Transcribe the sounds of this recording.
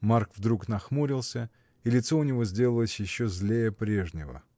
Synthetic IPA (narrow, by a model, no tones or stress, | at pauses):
markvd̪ɾuknɐxmuɾʲɪlˠsʲə | ilʲɪt̪so̞ʊnʲɪvo̞zʲdʲe̞lˠəlˠəsʲjɪɕːozʲlʲejəpɾʲe̞ʐnʲɪvə̰